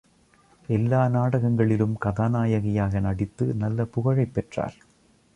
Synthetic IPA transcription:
elːaːnaːɽɐɣɐŋɡɐɭilumkɐðaːnaːjɐɣɐjaːɣɐnɐɽit̪ːɨnɐlːɐpuɣɐɻɐɪjpːeʈra̰ːl

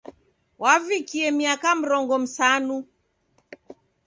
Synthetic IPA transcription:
wavikiɛmiakam̩ɾɔŋɡɔm̩sanu

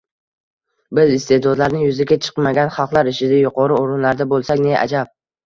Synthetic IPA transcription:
bɪzɪst̪e̞d̪ɒd̪laɾnɪjʊzaɡʲat͡ʃʰɨ̥qmaɡʲanχɑlˠqlˠaɾɪʃʰɪd̪ajʊqɒɾɪoɾɪnlaɾd̪abolˠsakʲne̞ʔa̰d͡ʒap̚

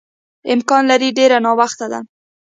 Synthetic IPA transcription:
ɪmkɑnlaɾiɖeɾanɑwaxt̪ad̪a̰

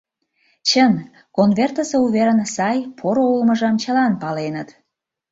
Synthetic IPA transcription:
t͡ɕən | konβert̪əseuβeɾənsɑjpʰoɾoolmə̆ʒɑmt͡ɕəlɑnpɑlenət̪

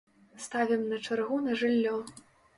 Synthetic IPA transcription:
st̪avʲɛmnɐt͡ʂarɣunɐʐɨlʲːɔ

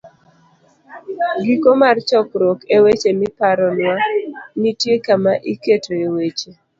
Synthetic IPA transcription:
ɡikomart͡ʃɔkɾɔkewet͡ʃemɪpaɾɔnwanitjekamaʔiketoewet͡ʃe

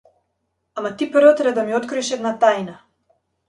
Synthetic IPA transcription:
amat̪ipəɾvɔt̪ɾɛd̪amiɔt̪kɾɔiʃɛd̪nat̪ajna

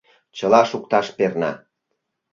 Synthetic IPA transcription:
t͡ɕəlɑʃuk̚t̪ɑʃpernɑ

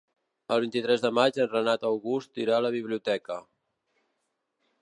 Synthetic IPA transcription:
əlˠβint̪it̪ɾɛzðəmad͡ʒənrənat̪əwɣust̪iɾaləβ̞iβ̞liut̪ɛkə

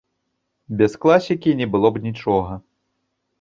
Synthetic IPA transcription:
bʲɛsklˠasʲikʲinʲɛbɨlˠɔbnʲit͡ʂɔɣɐ

